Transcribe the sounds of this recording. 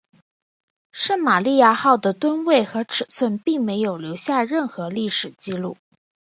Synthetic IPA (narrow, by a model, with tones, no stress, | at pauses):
ʂə˥˩nma˨˩li˥˧ja˥˧xɑ˥˩ʊd̪ə˩t̪wə˥nwe˥˩ɪxɤ˧˥ʈ͡ʂʰɻ̩˨˩t͡sʰwə˥˧npi˥˩ŋme˧˥ɪjo˨˩ʊljo˧˥ʊɕja˥˧ɻə˥˩nxɤ˧˥li˥˩ʂɻ̩˨˩t͡ɕi˥lu˥˩